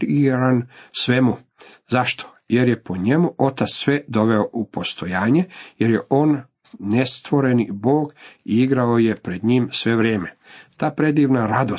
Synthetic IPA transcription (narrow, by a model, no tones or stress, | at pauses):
iɾansʋemu | zaʃt̪ʰo̥ | je̞ɾjepo̞ɲe̞muo̞t̪at̪ssʋed̪o̞ʋe̞oʔupo̞st̪o̞jaːɲejeɾjeʔo̞ːnː | e̞st̪ʋo̞ɾe̞nibo̞ːɡiiɡɾao̞je̞pɾe̞d̪ɲiːmsʋe̞ʋɾeːme̞t̪aːpɾe̞d̪iːʋnaɾad̪o